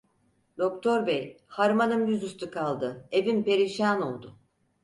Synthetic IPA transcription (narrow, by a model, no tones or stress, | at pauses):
d̪o̞k̚t̪ʰo̞ɾbej | haɾmanɯmjyzyst̪ʰukʰalˠd̪ɯe̞vimpe̞ɾiʃaːno̞lˠd̪ʊ